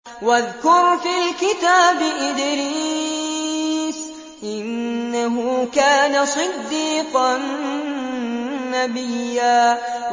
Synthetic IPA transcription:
waðkʊɾfilkɪt̪aːbɪʔɪd̪ɾiː | s | ʔɪnːaɦʊkaːnasˤɨd̪ːiːqɑn | abɪjːaː

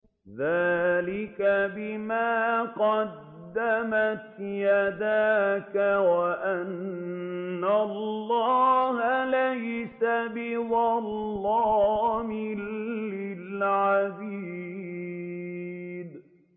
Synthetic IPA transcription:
ðaːlɪkabɪmaːqɑd̪ːamat̪jad̪aːkawaʔanː | allːɑːhalajsabɪwɑlːɑːmɪlːɪlʕadiː | d̪

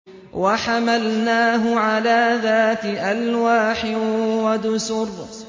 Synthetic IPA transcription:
waħamalnaːɦʊʕalaːðaːt̪ɪʔalwaːħɪwad̪ʊsʊɾ

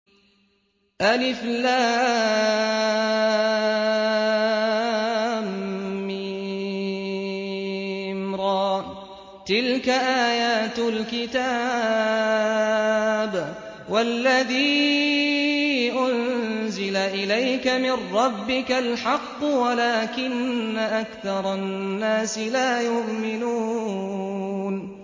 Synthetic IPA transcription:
ʔalɪflaː | mːɪ | mɾɑː | t̪ɪlkaʔaːjaːt̪lkɪt̪a | b | walːaðiː | ʔʊnzɪlaʔɪlajkamɪrːɑbːɪkalħɑqːwalaːkɪnːaʔakθɑɾˤɑnːaːsɪlaːjʊʔmɪnuː | n

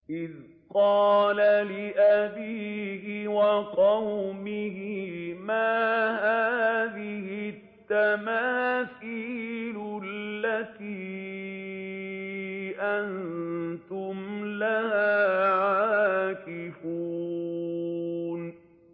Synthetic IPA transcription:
ʔɪð | qɑːlalɪʔabiːhɪwɑqɑwmɪhɪmaːɦaːðɪhɪt̪ːamaːθiːlʊlːat̪iː | ʔant̪ʊmlahaːʕaːkɪfuː | n

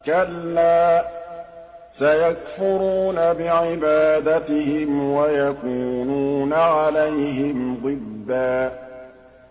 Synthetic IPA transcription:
kalːaː | sajakfʊɾuːnabɪʕɪbaːd̪at̪ɪhɪmwajakuːnuːnaʕalajɦɪmd̪ˤɨd̪ːaː

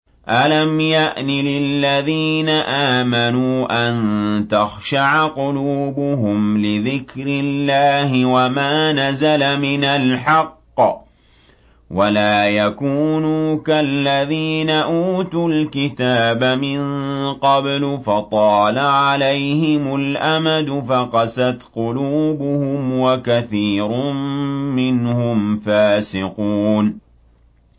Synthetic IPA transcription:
ʔalamjaʔnɪlɪlːaðiːnaʔaːmanuːʔant̪axʃaʕqʊluːbʊɦʊmlɪðɪkɾɪlːaːɦɪwamaːnazalamɪnalħɑqː | walaːjakuːnuːkalːaðiːnaʔuːt̪ʊlkɪt̪aːbamɪŋqɑblʊfɑt̪ˤɑːlaʕalajhɪmʊlʔamad̪ʊfaqɑsat̪qʊluːbʊhʊmwakaθiːɾʊmːɪnhʊmfaːsɪquːn

